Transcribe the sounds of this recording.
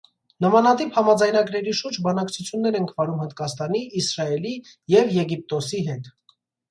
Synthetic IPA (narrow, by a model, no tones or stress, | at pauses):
nəmɑnɑt̪iphɑmɑd͡zɑjnɑɡɾɛɾiʃuɾd͡ʒbɑnɑkt͡sʰut͡sʰjunːɛɾɛŋkʰvɑɾumhənt̪̚kɑst̪ɑniːsɾɑɛli | jɛvjɛɡip̚t̪ɔsiɦɛt̪